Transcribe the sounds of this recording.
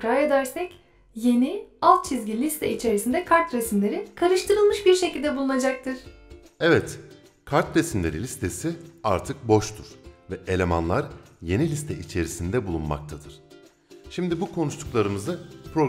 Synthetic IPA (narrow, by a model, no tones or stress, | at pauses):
pɾajad̪æɾsɛc | je̞nialˠt̪̚t͡ʃʰizɟilʲist̪ʰɛit͡ʃʰe̞ɾisind̪ɛkʰaɾt̪ɾesimlʲe̞ɾikʰaɾɯʃt̪ʰɯɾɯlˠmɯʃbiɾʃe̞cʰilʲd̪ɛbulˠunad͡ʒak̚t̪ʰɯɾ̥ | ɛvɛt̪ | kʰaɾt̪ɾesimlʲe̞̰ɾilʲist̪ʰe̞siaɾt̪ʰɯk̚bo̞ʃt̪ʰuɾ̥vɛʔelʲema̰nlˠaɾjenilʲist̪ʰɛʔit͡ʃʰe̞ɾisind̪ɛbulˠunma̰k̚t̪ʰad̪ɯɾ̥ | ʃimd̪ibukʰo̞nuʃt̪ˠuklˠaɾɯmɯzɯpɾo̞